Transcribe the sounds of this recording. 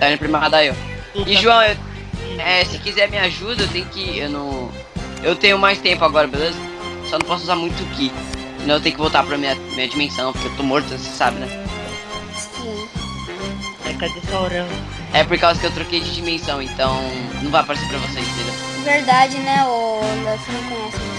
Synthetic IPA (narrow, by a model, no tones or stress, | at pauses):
t̪aĩnʊpɾimad̪aew | ɪʒuɐ̃w̃ew | ɛsɪ̥kizɛɾmĩɲaʒud̪ɐewt̪ẽjʊkɪewnɐ̃w̃ | ewt̪ẽɲjʊmajst̪ẽmpʊaɡɔɾɐbelezɐ | sɔnɐ̃pɔsʊuzaɾmũj̃t̪ʊʊkɪ̃ | t̪ɐ̃ewt̪ẽjkɪvowt̪aɾpɾɐmĩɲɐmĩɲɐd͡ʒimẽsɐ̃w̃poɾkeewt̪omoɾt̪ɐsesabɪnɛ | ĩ | akad̪efawɾɐ̃ | ɛpoɾkawzɐkɪewt̪ɾokejd͡ʒɪd͡ʒimẽsɐ̃w̃ẽnt̪ɐ̃w̃nɐ̃w̃vajpaɾeseɾpɾɐvosezkilɐ | veɾd̪ad͡ʒɪnɛolɛsenɐ̃w̃kõjɛs